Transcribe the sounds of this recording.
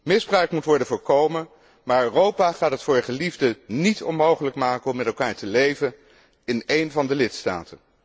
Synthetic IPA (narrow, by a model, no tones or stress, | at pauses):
mɪzbrœɥkmutʋɔɹdənvʊːɹkowmən | maːɹørowpaχaːtətfʊːɹχəlivdənitɔ̰nmowχələkmaːkəɔmːɛtɛlˠkaːɹtəlejvən | ɪnejnvɑndəlɪtsta̰ːtən